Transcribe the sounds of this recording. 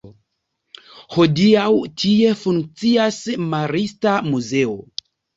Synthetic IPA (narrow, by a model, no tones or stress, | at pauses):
ho̞diawtʰie̞fuŋk̚t͡siasmaɾistamuze̞o